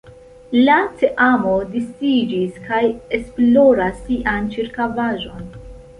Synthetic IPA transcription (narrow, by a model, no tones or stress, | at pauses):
lat͡seʔamo̞distid͡ʒiskaje̞splo̞ɾasːiʔant͡ʃiɾkavaʒo̞n